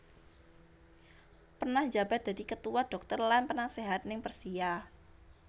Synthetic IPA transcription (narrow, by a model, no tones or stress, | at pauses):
pərnahd͡ʒab̥a̤t̪̚d̪̥a̤d̪ikət̪uwad̥ɔk̚t̪ərlanpərnaseɦat̪̚nɪŋpərsija